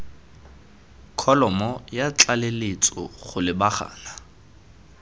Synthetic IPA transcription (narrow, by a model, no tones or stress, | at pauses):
kʰɔlɔmɔjat͡ɬʼalelet͡sʼɔ̰χʊlɪbaχa̰ːla